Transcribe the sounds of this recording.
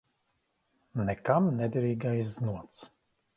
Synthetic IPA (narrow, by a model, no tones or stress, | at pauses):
nɛkamnɛd̪ɾiːɡajzznuɔt̪s